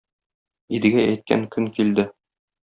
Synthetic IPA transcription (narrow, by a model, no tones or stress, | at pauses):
id̪ɘ̆ɡææjt̪̚kæ̰ŋkɵŋkild̪ɘ